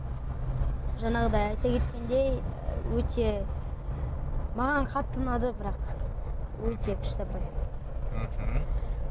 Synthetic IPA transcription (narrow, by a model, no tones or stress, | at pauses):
ʒɑɴɑʁəd̪ɑjɑjt̪ɑkʲʰe̞t̪kʲe̞nd̪e̞jwɵt̪ʰe̞ | mɑʁɑɴqʰɑt̪ːənɑd̪əbɪɾɑq | wɵt̪e̞kʲʰɪ̥ʃt̪ɪpɑjɑt̪ə